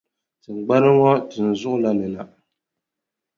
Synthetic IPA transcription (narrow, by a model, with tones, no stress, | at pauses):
tɨ˨ŋ͡m̩˨ɡ͡ba˦ɾɨ˦ŋɔ˦tɨ˨n̩˨zʊ˦ʔʊ˦la˦nɨ˨na˨